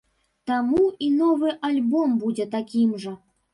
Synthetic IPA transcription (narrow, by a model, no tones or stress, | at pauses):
t̪amuinɔvɨʔalʲbɔmbud͡zʲɛt̪akʲimʐɐ